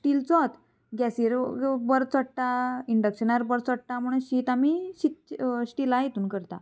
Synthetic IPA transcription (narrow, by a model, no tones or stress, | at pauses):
sʈiːlt͡sɔt̪ | ɡɛsiɾbəɾt͡səʈʈaiɳɖəkɕənaɾbəɾt͡sɔʈʈamuɽ̃əɕiːt̪amiɕit̪̚sʈiːlajet̪uːnkəɾt̪a̰